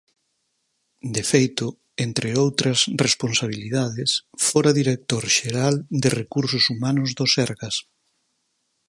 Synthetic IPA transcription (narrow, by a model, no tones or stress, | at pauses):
d̪efejt̪ʊ | ent̪ɾɪowt̪ɾɐsresponsaβ̞iliðaðɪsfoɾaðiɾek̚t̪oɾʃeɾald̪erekuɾsʊsumanʊzðosɛɾɣɐs